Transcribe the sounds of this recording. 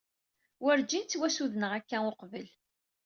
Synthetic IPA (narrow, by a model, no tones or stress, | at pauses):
wəɾd͡ʒint͡s̪ːwæsuðnəʁækːæoqvəl